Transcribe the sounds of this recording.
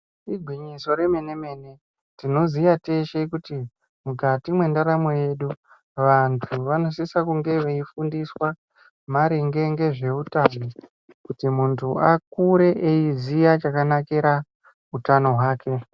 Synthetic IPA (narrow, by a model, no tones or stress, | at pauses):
iɡʱwiɲiso̞ɾe̞me̞ne̞me̞ːne̞ | tino̞zijate̞ʃekuti | mukatimwe̞ndaɾamoje̞ːɗu | ʋantʰuʋano̞sisakuŋɡe̞ʋeifundiswa | maɾeŋɡe̞ŋɡe̞ʐe̞utano | kutimuntʰuakuɾe̞ʔeizijat͡ʃakanakeɾa | utano̞ɦwaːkʰe̞